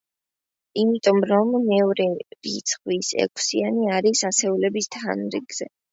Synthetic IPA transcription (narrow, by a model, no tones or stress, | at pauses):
imit̪ʼɔmɾɔmːɛvɾɛɾit̪sʰχwisɛ̰k̚ʷʼʰsianiaɾisasɛulɛbist̪ʰa̰nɾḭɡz̥ɛ